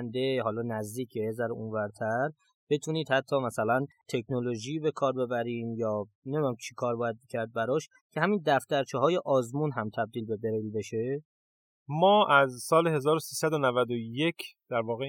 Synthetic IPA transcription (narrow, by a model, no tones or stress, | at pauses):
nd̪eɦɒːlɒːnæzd̪iːcʰeezæɾʔunvæɾt̪ʰæɾ | b̥e̞t̪ʰuːniːd̪̥hæt̪ʰːɒːmæsælænt̪ʰe̞kʰnoloʒiːbe̞kʰɒːɾbe̞bæɾiːmjɒːnemid̪unæmt͡ʃʰi̥kʰɒːɾbɒːjæd̪̚becʰæɾd̪̚bæɾɒːʃ | cʰe̞hæmind̪æft̪æɾt͡ʃʰeɦɒːje̞ʔɒːzmunɦæmt̪ʰæb̚d̪iːlbe̞beɾilbe̞ʃe | mɒːʔæzsɒːleɦe̞zɒːɾosiːsæd̪onævæd̪ojecʰd̪̥æɾvɒːɣe